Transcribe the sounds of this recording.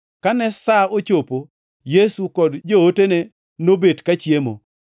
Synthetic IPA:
kanɛsaot͡ʃopo | jesukɔdd͡ʒootene | nobedkat͡ʃjemo̰

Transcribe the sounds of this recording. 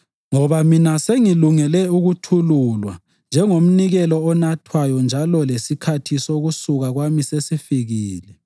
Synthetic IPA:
ŋɔβaminaseŋiluŋɛlɛuɣutʰululwa̰ | nd͡ʒʱɛŋom̩niɣɛlɔːnatʰwajɔnd͡ʒʱalɔlesikʰatʰisoɣusuɣaɣwamisesifiɣiːlɛ

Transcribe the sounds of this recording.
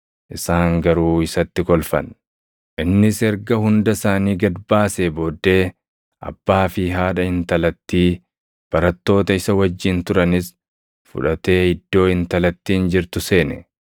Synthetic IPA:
ʔɪsaːŋɡɐɾuːɪsɐt̪ːɪkɔlfɐ̰n | ʔɪnːɪsɛɾɡɐhʊnd̪ɐsaːniːɡɐd̪baːseːbo̞ːd̪ːe̞ː | ʔɐ̰b̥ːaːfɪɦaːᶑɐhɪnt̪ɐlɐt̪ːiː | b̥ɐɾɐt̪ːo̞ːt̪ɐɪsɐwɐd͡ʒːɪnt̪ʊɾɐnɪs | fʊ̰ᶑɐt̪e̞ːɪd̪ːo̞ːhɪnt̪ɐlɐt̪ːiːnd͡ʒɪɾt̪ʊse̞ːnɛ

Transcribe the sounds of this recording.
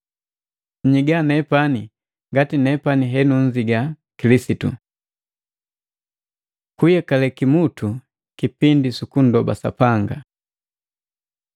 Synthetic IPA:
ɲiɡanɛpani | ŋɡatinɛpaniɦɛnuɲd͡ʒiɡa | kilisitṵ | kujakalɛkimutʰu | kipindisukun̩dɔba̰sa̰paŋɡa

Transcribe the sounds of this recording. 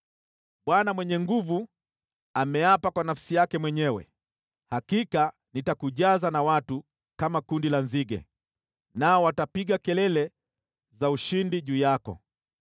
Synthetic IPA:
ɓwanamwɛɲɛŋɡuvu | amɛapakwanafsijakɛmwɛɲɛwɛ̰ | hakika | nitakuʄazanawatu | kamakundilanziɡɛ̰ | naɔwatapiɡakɛlɛlɛ | zauʃindiʄuːjakɔ̰

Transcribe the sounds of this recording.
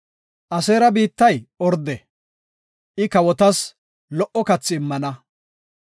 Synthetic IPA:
ʔɐseːɾɐbiːt̪ːɐjɔɾd̪ɛ | ʔɪkɐwɔt̪ɐs | lɔʔɔkɐt͡sːɪːmːɐnɐ

